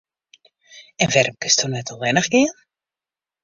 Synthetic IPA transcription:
ɛnvɛɾəmkəstʰunɛtɔlˠʋɛnəχɡɪən

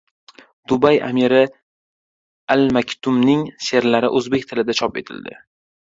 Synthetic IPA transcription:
d̪̥ʊbaja̰miɾɪ | almakʲt̪ʰʊmnɪŋʃe̞ɾlaɾɪʔɵzbe̞k̚ʲt̪ʰɪlɪd̪at͡ʃʰɒpe̞̰t̪ʰɪ̰ld̪ɪ̰

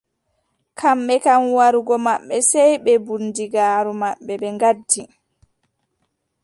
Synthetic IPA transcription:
kʰamɓɛkanwaɾuɡɔmaɓːɛsɛjɓɛbundiɡaːɾumaɓːɛɓɛŋɡadːi

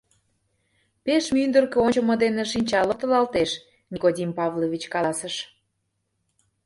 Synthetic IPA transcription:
peʃmynd̪ərkeot͡ɕə̆mɤd̪eneʃinʲt͡ɕɑlət̪ə̆lɑlt̪eʃ | nʲikodʲimpɑvlovʲit͡ɕkɑɑsəʃ

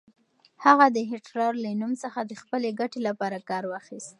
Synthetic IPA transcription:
haɣad̪əɦɪʈɾɑɾlanumsəxad̪əxpəleɡaʈelapɑɾakɑɾwɑxist̪̚

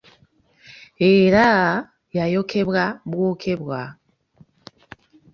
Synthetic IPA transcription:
e̞ɾa | jajo̞kʰe̞βwaβwokʰe̞βwa

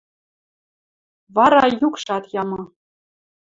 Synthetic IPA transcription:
ʋɑɾɑjukʂɑt̪jɑmɤ̆

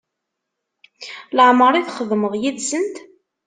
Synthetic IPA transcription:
ləʕməɾˤiθχəðməʁjiðsənt̪

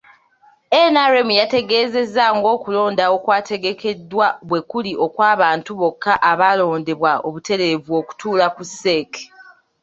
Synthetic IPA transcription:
enaɾemujate̞ɡe̞ːze̞zːaŋɡo̞ːkulo̞ːndao̞kwaːtʰe̞ɡe̞kʰe̞dːwaβwe̞kuliʔo̞kwaːβaːntuβo̞kːaʔaβalo̞ːnde̞βwao̰βute̞ɾe̞vuoku̥tuːlakusːe̞ke̥

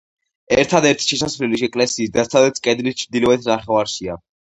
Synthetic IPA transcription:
ɛɾt̪ʰad̪ɛɾt̪ʰi̥ʃɛsasvliliʃɛkʼlɛsiːsd̪asʰad̪at̪sʰkʼɛd̪lit͡ʃʰd̪ilɛvɛt̪ʰnaχɛvaɾʃia

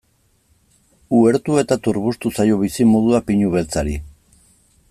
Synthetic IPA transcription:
ue̞ɾt̪ue̞t̪at̪uɾβust̪usajo̞β̞isimo̞ðuapiɲuβe̞lt͡saɾi

